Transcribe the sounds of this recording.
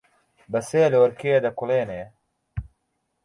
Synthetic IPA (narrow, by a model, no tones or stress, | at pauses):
bɐseːlwɐɾkejed̪ɐkuleːneː